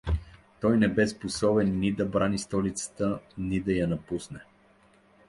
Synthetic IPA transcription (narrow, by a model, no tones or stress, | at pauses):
t̪ɔjnɛbɛsposɔbɛnːid̪ɐbɾanist̪ɔlit̪sə̥t̪ənid̪ɐjanɐpusnɛ